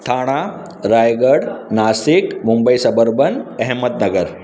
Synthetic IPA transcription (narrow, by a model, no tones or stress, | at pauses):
t̪ʰaɽ̃a | ɾajɡəɽnasikmumbəisɐbəɾbənɛɦmət̪̚nɐɡəɾ